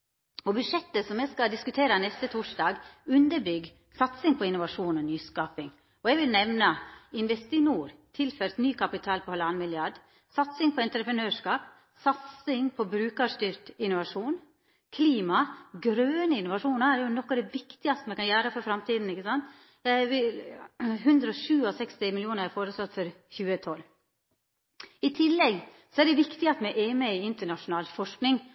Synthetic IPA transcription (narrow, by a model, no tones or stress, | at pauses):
ɔbʉʂɛt̪ːəsɔmɛskɑd̪ɪskʉt̪ʰeːɾənɛst̪ət̪ʰuʂd̪ɑːɡʉnd̪əɾbʏɡ | sɑt̪sɪŋpʰɔɪnʊʋɑʂuːnɔnyːskɑːpɪŋ | ɔɛɡʋɪlnɛʋnəɪnʋɛst̪ɪnuːɾt̪ʰɪlfœɾt̪nyːkʰɑpɪt̪ʰɑːlpʰɔhɑlɑnmɪljɑɖ | sɑt̪sɪŋpʰɔɛnt̪ɾəpɾənøːʂkɑːp̚ | sɑt̪sɪŋpʰɔbɾʉːkɑʂt̪yːɾt̪ɪnʊʋɑʂuːn | kʰliːmɑɡɾøːnəɪnʊʋɑʂuːnɑæɾjʊnɔkːɑd̪ɛʋɪkt̪ɪɡɑst̪əmɛkɑnjæːɾəfɔɾfɾɑmt̪ʰiːd̪n̩ɪçːəsɑnt̪ | ʋɪ | ɦʉnd̪ɾəɔʂʉːɔsɛkst̪ɪmɪljuːnəɾæɾfoːɾʉsɑt̪ːfɔɾ | çʉːət̪ʰɔlː | ɪt̪ʰɪlːɛɡ | sɔɛɖɛʋɪkt̪ɪɑt̪mɛʔeːməɪɪnt̪əɳɑʂʊnɑːlfɔʂknɪŋ